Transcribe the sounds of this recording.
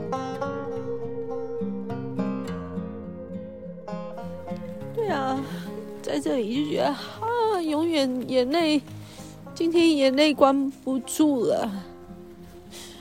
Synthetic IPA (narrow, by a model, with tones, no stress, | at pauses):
t̪we˥˩ɪɐ˨˩ | t͡sa˥˧ɪʈ͡ʂɤ˥˩li˨˩t͡ɕjo˥˩t͡ɕɥɛ̰˧˥d̪ə˧a˥jʊ˧˥ŋɥɛ˨˩njɛ˨˩ne˥˩ɪ | t͡ɕi˥ŋt̪ʰjɛ˥njɛ˨˩ne˥˩ɪkwa˥npu˧˥ʈ͡ʂu˥˩lə̰˩